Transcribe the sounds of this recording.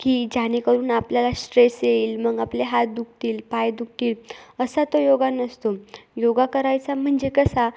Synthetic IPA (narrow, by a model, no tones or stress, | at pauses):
kiːd͡ʑañekəɾuːnapljalaɕʈɾeseiːlməɡapleɦat̪̚d̪uk̚t̪iːlpajd̪uk̚t̪iːləsat̪ojoɡanəst̪ojoɡakəɾajt͡sam̤əɳd͡ʑekəsa